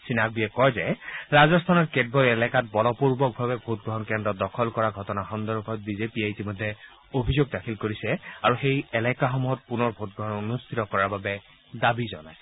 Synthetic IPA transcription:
sinak̚biɛkɔjzɛɹazɔstʰanɔɹked̚bɔlɛlɛkat̚bɔlɔpuɹbɔk̚bʱabɛbʱot̚ɡɹɔɦɔnkɛndɔt̚dɔkʰɔlkɔɹaɡʱɔtɔnaxɔndɔɹkʰɔt̚bizepieitimɔjdʱːɛ | obʱizoɡ̚dakʰilkoɹisɛaɹuxejɛlɛkaxɔmuɦɔt̚punɔɹbʱot̚ɡɹɔɦɔnonustʰitɔkɔɹaɹbabɛ | dabizɔnajsɛ

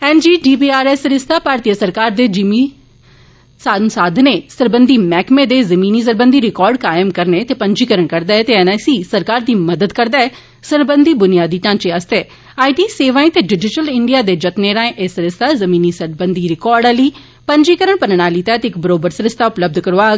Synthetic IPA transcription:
ɛːnd͡ʒiːɖiːbiːaːɾɛːsɾɪst̪ʰaːpaːɾt̪iːəsəɾkaːɾd̪eːd͡ʒimiː | saːnsaːd̪ʱneːsəɾbənd̪iːmɛːkmeːd̪eːzəmĩːniːs̬əɾbə̃nd̪ʱiːɾɪkɔːɾɖkaːɪəmkəɾneːt̪eːpə̃ɲd͡ʒiːkəɾəɳkəɾd̪aːɛːt̪eːɛːnɛːsiːsəɾkaːɾd̪iːməd̪əd̪kəɾd̪aːɛː | səɾbənd̪iːbʊnɪjaːd̪iːʈãːnt͡ʃeəst̪eː | aːiʈiːseːʋãːĩːt̪eːɖɪd͡ʒɪʈəlɪɳɖijaːd̪eːd͡ʒət̪neːɾãːẽʔesɾɪst̪ʰaːzəmĩːniːsəɾbənd̪iːɾɪkɔːɾɖɛliː | pə̃ɲd͡ʒiːkəɾəɳpənɽ̃aːliːt̪ɛːt̪ɪkbəɾoːbəɾsəɾɪst̪ʰaːʊpləb̚d̪kəɾoaː

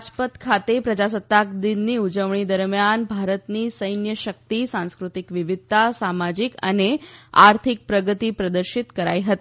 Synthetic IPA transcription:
d͡ʒpət̪kʰat̪epɾəd͡ʒasət̪ːakd̪inːiud͡ʒəʋɳ̃id̪əɾmjanbʱaɾət̪nisəjnjəʃək̚t̪isãnskɾut̪ikʋɪʋid̪̚ʱt̪asamad͡ʒikə̰neaɾt̪ʰik̚pɾəɡət̪ipɾəd̪əɾʃit̪kəɾa̰jɦət̪i

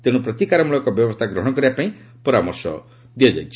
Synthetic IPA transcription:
t̪eɽ̃upɾɔt̪ikaɾɔmuɭɔkɔbjɔbɔst̪ʰaɡɾɔɦɔ̃ɽ̃ɔkɔɾibapaĩ | pɔɾamɔ̰ɾsɔ̰ | d̪iɔd͡ʒa̰jt͡ʃʰi̥

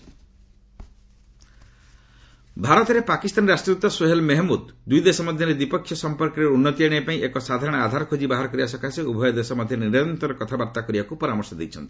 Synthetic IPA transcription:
bʱaɾɔt̪ɔɾepakist̪anɾasʈɾut̪ːɔsoɦelmeɦmud̪d̪ujd̪esɔmɔd̪ʱjɔɾed̪wipɔkʰːjɔsɔmpɔɾkɔɾeunːɔt̪iaɽ̃ipaĩʔekɔsad̪ʱaɾɔɽ̃ɔad̪ʱaɾɔkʰod͡ʒibaɦaɾɔkɔɾiasɔkʰaseubʱɔjɔd̪esɔmɔd̪ʱjɔniɾɔnt̪ɾɔɾɔkɔt̪ʰabaɾt̪akɔɾibakupɔɾamɔɾsɔd̪ḛjt͡ʃʰɔnt̪i̥

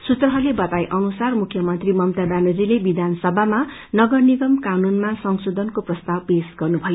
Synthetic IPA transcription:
sut̪rʌɦʌlebʌt̪ajʔʌnusarmukʰjʌmʌnt̪rimʌmt̪adanud͡zilebid̪ʱansʌbʱama | nʌɡʌrniɡʌmkanunmasʌŋsod̪ʱʌnkoprʌst̪awpesɡʌrnubʱʌjo

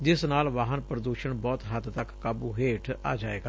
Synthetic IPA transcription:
d͡ʒɪsnaːlʋaːɦənpɾəd̪uːʃəɳbɔːt̪ɦət̪t̪əkːaːbuːɦeːʈʰa̰ːd͡ʒaːḛːɡaː

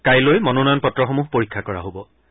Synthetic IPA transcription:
kajlojmɔnonanpɔtɹɔxomuɦpoɹikʰːakɔɹa̰ɦobɔ

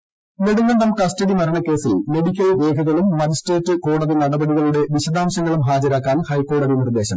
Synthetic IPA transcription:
me̞ɽuŋːeɳɖɐmkɐstɐɽimɐɾɐɳɐkːe̞ːsilme̞ɽikʲːɐlʋe̞ːkʰɐɣɐɭumːɐd͡ʑisʈeːtːɨko̞ːɽɐðinɐɽɐbɐɽiɣɐɭuɽe̞ʋiɕɐd̪aːmɕɐŋːɐɭumɦaːd͡ʑɐɾaːkːaːnhɐjkːo̞ːɽɐðinird̪e̞ːɕɐm

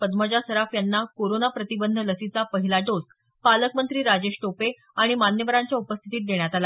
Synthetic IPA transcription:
pəd̪məd͡ʑasəɾafjanːakoɾonapɾət̪ibənd̪ʱələsit͡sapəɦilaʈosk | paləkmənt̪ɾiːɾad͡ʑeɕʈope | aɽ̃imanjəʋəɾaɲt͡ɕjaupəst̪ʰit̪iːt̪̚d̪eɳ̃jat̪ala

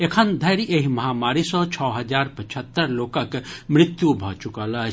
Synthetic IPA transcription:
ekʰənd̪ʱɐːɾiʔeɦimɐɦaːmaːɾisɔ̃t͡ʃʰɔːɦɐd͡ʒaːɾpɐt͡ʃʰət̪ːəɾloːkəkmɾɪt̪jubʱɐt͡ʃʊkaːla

